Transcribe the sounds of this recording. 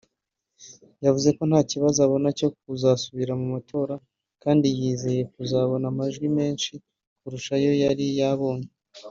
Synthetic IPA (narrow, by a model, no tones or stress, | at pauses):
javuze̞ko̞n̥haːciβazoaβo̞naco̞k̚uzasuβiɾamumatʰo̞ːɾa | kaːndijiːze̞je̞kuzaβo̞namaʒɡwime̞ːnʃi | kuɾuʃajo̞jaɾijaβo̞ːɲe